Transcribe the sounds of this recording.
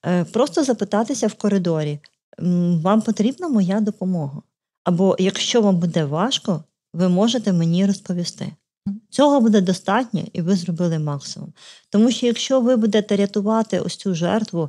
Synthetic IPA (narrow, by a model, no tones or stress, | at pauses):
pɾɔst̪ɔzɐpɪt̪ɑt̪ɪsʲɐwkɔɾɪd̪ɔɾʲi | ʋɑmpɔt̪ɾʲibnɐmɔjad̪ɔpɔmɔɦɐ | ɐbɔjɐkʃt͡ʃɔʋɑmbud̪ɛʋɑʃkɔ | ʋɪmɔʒet̪ɛmenʲirɔspɔʋʲist̪ɪ̰ | t͡sʲɔɦɔbud̪ɛd̪ɔst̪ɑtʲnʲɛ̰iʋɪzrɔbɪlˠɪmɑksɪmʊ̰mt̪ɔmuʃt͡ʃɔjɐkʃt͡ʃɔʋɪbud̪et̪ɛɾʲɐt̪ʊʋɑt̪ɪ̰ɔ̰t͡sʲuʒɛ̰rt̪ʋʊ